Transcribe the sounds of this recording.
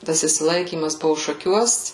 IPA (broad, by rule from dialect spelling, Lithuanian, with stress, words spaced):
ˈtɐs ɪʃʲsʲɪˈlˠɐɪkʲiːmɐs ˈbʊʋʊ ʃɐˈkʲuɔs